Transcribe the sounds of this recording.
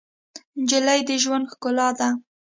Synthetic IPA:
nd͡ʒɪlajd̪əʒwand̪xkʊlɑd̪a

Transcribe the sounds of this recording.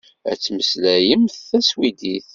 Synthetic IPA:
æ̰t͡sːməslæjəmθθæswid̪iθ

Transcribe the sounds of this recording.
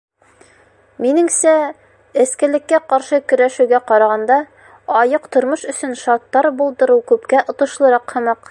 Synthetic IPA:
minɘ̆ŋsæ | ɘ̆skɘ̆lɘ̆kːæqɑɾʃɤkɵ̆ɾæʃʉwɡæqɑɾɑʁɑnd̪ɑ | ɒjɤqt̪ŏɾmɤʃɵ̆sɵnʃɑt̪ːɑɾbulˠd̪ɤ̆ɾɤwkʉpkæʔŏt̪ɤ̆ʃlˠɤ̆ɾɑqhɤ̆mɑq

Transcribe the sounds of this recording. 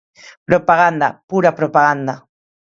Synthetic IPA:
pɾopaɢand̪a̰pʊɾapɾopaɡand̪a

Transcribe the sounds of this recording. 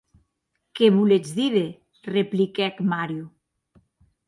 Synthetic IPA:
keβuled͡zðiɾe | replikɛkmaɾju

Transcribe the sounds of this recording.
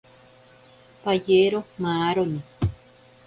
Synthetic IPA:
pajeɾomaːɾoni

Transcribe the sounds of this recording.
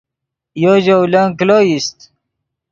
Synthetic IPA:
joʑowlaŋkloːjist̪

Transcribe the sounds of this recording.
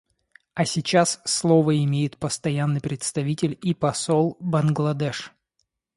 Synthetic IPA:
ɐsʲɪt͡ɕasːlˠovəɪmʲejɪt̪pəst̪ɐjanːɨjpɾʲɪt̪st̪ɐvʲitʲɪlʲipɐsolˠbɐnɡlˠɐd̪ɛʂ

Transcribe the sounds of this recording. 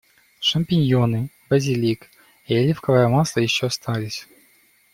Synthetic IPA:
ʂɐmʲpʲɪnʲjonɨ | bɐzʲilʲik | elʲifkɐvɐɐmaslˠəjɪɕːoɐst̪ʰalʲɪsʲ

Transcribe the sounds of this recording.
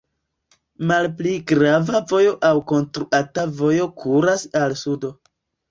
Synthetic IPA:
malpliɡɾavavo̞jo̞ʔawko̞nstɾuatavo̞jo̞kʰuɾasalsudo̞

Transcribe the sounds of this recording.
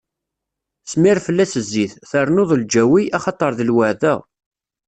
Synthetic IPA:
smiɾfəlːæsəzːiθθəɾˤnoðˤld͡ʒæwiɑχɑt̪ˤəɾˤðəlwəʕðæ

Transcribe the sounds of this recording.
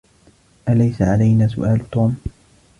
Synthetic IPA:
ʔalajsaʕalajnaːsʊ̰ʔaːlt̪uːm

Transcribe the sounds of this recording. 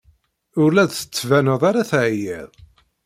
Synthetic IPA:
ʊɾlæðθə̥t͡sːvænəðˤaɾaθʕjɛðˤ

